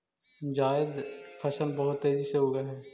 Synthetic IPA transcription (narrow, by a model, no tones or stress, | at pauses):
d͡ʒaːjɪd̪fʰɐsəlbɐɦʊt̪ːeːziseɦoːɡaɦɛː